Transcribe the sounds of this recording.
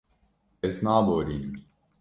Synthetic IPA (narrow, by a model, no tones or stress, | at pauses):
esnaːboɾin